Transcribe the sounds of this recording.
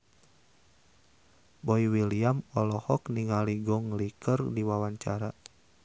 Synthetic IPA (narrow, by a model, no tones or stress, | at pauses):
bɔiwiliamɔlɔhɔkniŋaliɡɔŋlikərdiwawaɲt͡ʃaɾa